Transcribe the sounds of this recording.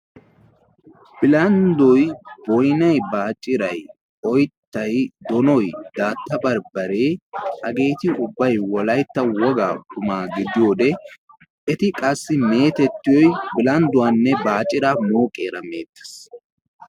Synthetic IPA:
b̥ɪlɐnd̪ɔjbɔjnɐjbaːt͡ʃʼɪɾɐj | ɔjt̪ːɐjd̪ɔnɔjd̪̥aːt̪ːɐbɐɾbɐɾe̞ːʔɐɡe̞ːt̪ɪʊbːɐjwɔlɐjt̪ːɐwɔɡa̰ːkʊmaːɡɪd̪ɪjo̞ːd̪ɛ | ɛt̪ɪkʼɐsːɪme̞ːt̪ɛt̪ːɪjɔjbɪlɐnd̪ʊwanːɛbaːt͡ʃʼːɪɾaːmoːkʼe̞ːɾɐme̞ːt̪ːɛ̥s

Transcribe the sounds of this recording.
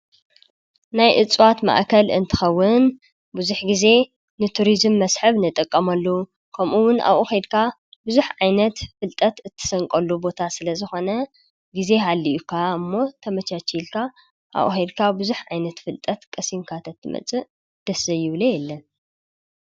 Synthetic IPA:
najʔɨt͡sʼwat̪ma̰ʔkʰɐlɨ̰nt̪ʰɨ̥xɐwːʊn | buzuħɡize̞ | nɨt̪ʰuɾizɨmːɐsħɨβnɨt̪ʼɐkʼːɐmɐlːɐu | kʰɐmʔuwʊna̰βʔuxed̪kʰa | buzuħʕajnɐt̪fɨlt̪ʼɐt̪ɨt̪ʰːɨ̥sɐŋkʼɐlːubo̞t̪ʰasɨlɐzɨxo̞nɐ | ɡize̞ɦalːiʔukʰaɨmːo̞t̪ʰɐmɐt͡ʃat͡ʃilkʰa | ʔa̰βʔṵxed̪kʰabɨzuħʕajnɐt̪fɨlt̪ʼɐt̪kʼɐsimkʰat̪ʰɐt̪ʰːɨmɐ̰t͡sʼɨʔ | d̪̥ɐsɐjɪβlejɛlːɐn

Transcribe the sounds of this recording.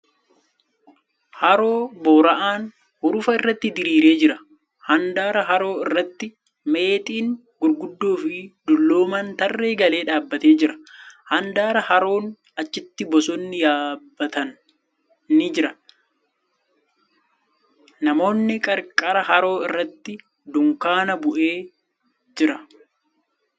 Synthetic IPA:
hɐɾo̞ːbo̞ːɾɐʔaːn | hʊɾʊfɐɪrːɐt̪ːɪd̪ɪɾiːɾe̞ːd͡ʒɪɾɐ | hɐnd̪aːɾɐɦɐɾo̞ːɪrːɐt̪ːɪ | me̞ːt̪ʼiːŋ | ɡʊɾɡʊd̪ːoːfɪd̪ʊlːoːmɐnt̪ɐrːeːɡɐle̞ːᶑaːbːɐt̪e̞ːd͡ʒɪɾɐ̥hɐnd̪aːɾɐhɐɾo̞ːn | ɐt͡ʃːɪt̪ːɪbɔsɔnːɪjaːbːɐt̪ɐn | nːɪd͡ʒɪɾɐ | nɐmo̞ːnːɪkʼɐɾkʼːɐɾɐɦɐɾo̞ːɪrːɐt̪ːɪ | d̪ʊŋkaːnɐbʊʔe̞ː | d͡ʒɪɾɐ

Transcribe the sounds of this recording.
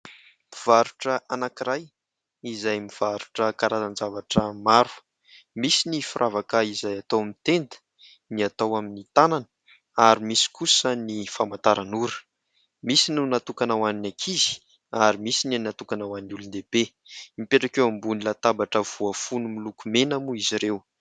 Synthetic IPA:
miv̥aɾuʈ͡ʂəʔanakiɾaj | izajmiv̥aɾu̥ʈ͡ʂəkaɾazand͡zavaʈ͡ʂəmaɾu̥ | misinifuɾʔavakaizajat̪owmit̪end̪ə̥ | niat̪awaminit̪ananə | aɾimisi̥kusənifamant̪aɾanuɾə̥ | misinunat̪ukanawaninakʰizi̥ | aɾimisininat̪ukanawaninulund̪eb̥e | mipeʈ͡ʂakewambunilat̪abaʈ͡ʂəv̥uafunumilukumenamuiziɾew

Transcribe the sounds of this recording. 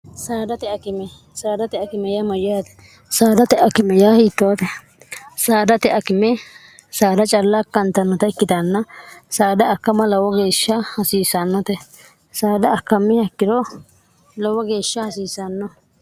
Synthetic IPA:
saːd̪ɐt̪ɛɐkɪmɛ | saːd̪ɐt̪ɛɐkɪmɛjɐmɐjjaːt̪ɛ̥ | saːd̪ɐt̪ɛʔɐkɪmɛjaːhiːt̪ːɔwɐt̪ɛ | saːd̪ɐt̪ɛʔɐkɪmɛ | saːd̪ɐt͡ʃʼɐlːakːɐnt̪ːɐnːɔt̪ɐɪkːɪd̪anːɐsaːd̪ɐkːɐmɐlɐwɔɡe̞ːʃːɐhɐsiːsːanːɔt̪ɛ | saːd̪ɐːkːɐmːɪhɐkːɪd̪ɔ | lɐwɔɡe̞ːʃːɐhɐsiːsːanːɔ

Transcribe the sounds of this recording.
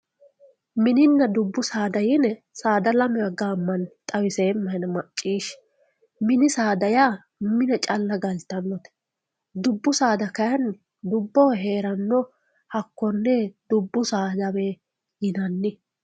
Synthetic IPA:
mɪnɪnːɐd̪ʊbːʊsaːd̪ɐjɪnɛ | saːd̪ɐlɐmɛɐɡaːmːɐnt̪ʼɐwɪseːmːɐjnɐmɐt͡ʃʼːiːʃ | mɪnɪsaːd̪ɐjaː | mɪnɛt͡ʃʼɐlːɐɡɐlt̪ːɐnːɔt̪ɛ̥ | d̪ʊbːʊsaːd̪ɐkɐjɐn | d̪ʊbːɔɦe̞ːɾɐnːɔ | hɐkːɔnːɛd̪ʊbːʊsaːd̪ɐwe | jɪnɐnːɪ

